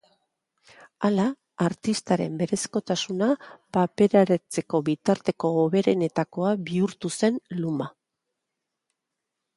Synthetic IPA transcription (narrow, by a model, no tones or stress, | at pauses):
alaː | ɾt̪ist̪aɾe̞̰mbe̞ɾe̞sko̞t̪asunapape̞ɾaɾet͡se̞ko̞βit̪aɾt̪e̞ko̞ːβe̞ɾe̞ne̞t̪ako̞aβiuɾt̪use̞nluma